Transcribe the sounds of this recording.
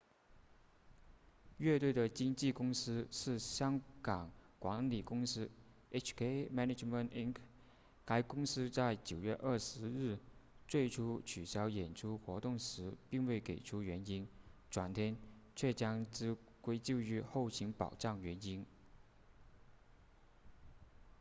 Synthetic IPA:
ɥɛ˥˧t̪we˥˩ɪd̪ə˩t͡ɕi˥ŋt͡ɕi˥˩kʊ˥ŋsɹ̩˥ʂɻ̩˥˩ɕjɑ˥ŋkɑ˨˩˦ŋkwa˧˥ŋli˨˩kʊ˥ŋsɹ̩˥ | e˥t͡ʃʰkʰe˥ɪmɛ˥ne˥˩ʈ͡ʂmə˥˩ni˥ŋkʰ | ka˧˥ɪkʊ˥ŋsɹ̩˥t͡sa˥˩ɪt͡ɕjo˨˩ʊɥɛ˥˧ʔə˞˥˩ʂɻ̩˧˥ɻɻ̩˥˩t͡swe˥˩ɪʈ͡ʂʰu˥t͡ɕʰy˨˩ɕjɑ˥ʊjɛ˨˩nʈ͡ʂʰu˥xwɔ˧˥t̪ʊ˥˩ŋʂɻ̩˧˥pi˥˧ŋwe˥˩ɪke˨˩ɪʈ͡ʂʰu˥ɥɛ˧˥ni˥nʈ͡ʂwa˨˩nt̪ʰjɛ˥n | t͡ɕʰɥɛ˥˩t͡ɕjɑ˥ŋʈ͡ʂɻ̩˥ | kwe˥ɪt͡ɕjo˥˧ʊy˥˧xo˥˩ʊɕi˧˥ŋpɑ̰˨˩ʊʈ͡ʂɑ˥˩ŋɥɛ˧˥ni˥n

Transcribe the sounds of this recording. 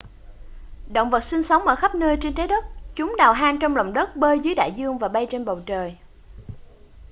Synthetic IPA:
ɗo̰˧˨wŋ͡mvə˨˩t̚si˧ŋsə˨˦wŋ͡mʔəː˧˩xa˦˥p̚nəː˧jt͡ɕe˧nt͡ɕa˨˦jɗə˦˥t̚t͡ɕʊ˨˦ŋ͡mɗaː˨˩wɦaː˧nt͡ɕɔ˧wŋ͡mlə̰˧˨wŋ͡mɗə˦˥t̚ɓəː˧jzɨ˨˦jɗa̰ː˧˨jzɨ˧əŋvaː˨˩ɓa˧jt͡ɕe˧nɓə˨˩wt͡ɕəː˨˩j

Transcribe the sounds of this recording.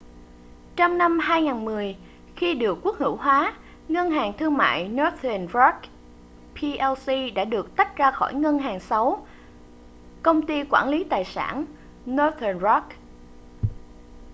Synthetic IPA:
t͡ɕɔ˧wŋ͡mna˧mɦaː˧jŋaː˨˩nmɨ˨˩əj | xi˧ɗɨ˨˩əkːu˦˥ək̚hɨ̰˧˥wɦwaː˨˦ | ŋə˧nɦaː˨˩ŋt̪ʰɨ˧əŋma̰ː˧˨jnɔ˨˦t̪ə˨˩nɹɔ˦˥k̚ | pʰi˧ʔɛ˧wsi˧ɗa̰ː˧˥ɗɨ˨˩ək̚t̪a˦˥jk̟̚zaː˧xɔ˧˩jŋə˧nɦaː˨˩ŋsa˨˦w | kə˧wŋ͡mt̪i˧kwaː˧˩nli˨˦t̪aː˨˩jsa̰ː˧˩n | nɔ˧t̪ə˨˩nzɔ˦˥k̚

